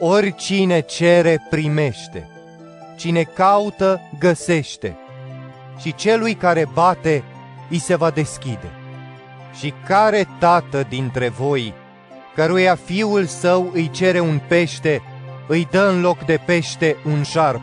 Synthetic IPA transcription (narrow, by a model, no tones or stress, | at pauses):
o̞rʲt͡ʃine̞t͡ʃe̞ɾe̞pɾime̞ʃt̪e̞̰ | t͡ʃine̞kaut̪əɡəse̞ʃt̪e̞̰ | ʃit͡ʃe̞lujkaɾe̞bat̪e̞ | ijse̞vad̪e̞skʲid̪e̞̰ | ʃikaɾe̞t̪at̪əd̪int̪ɾe̞vo̞j | kəɾujafiulsəwɨjt͡ʃe̞ɾe̞unpe̞ʃt̪e̞ɨjd̪əɨnlo̞kd̪e̞pe̞ʃt̪e̞unʃarp̚